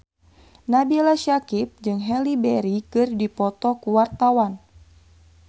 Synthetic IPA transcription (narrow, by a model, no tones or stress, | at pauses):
nabialaʃakip̚d͡ʒɨŋɦɛlibɛɾikɨrdipɔt̪ɔkuwart̪awan